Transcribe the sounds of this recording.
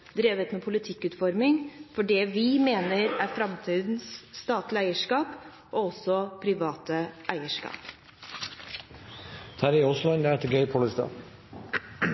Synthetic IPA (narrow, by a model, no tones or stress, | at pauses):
d̪ɾeːʋət̪meːpʰʊlɪt̪ʰɪkːʉːt̪fɔɾmɪŋfɔɖɛʋɪmeːnəɾæɾfɾɑmt̪ʰiːd̪n̩sːt̪ɑːt̪lɪæɪəʂkɑːp | ʔoːɔsːɔpʰɾɪʋɑːt̪əʔæɪəʂkɑ̰ːp | t̪ʰæɾɪɔslɑɲd̪æɛt̪əɡeɪpʰoːləst̪ɑ̰ː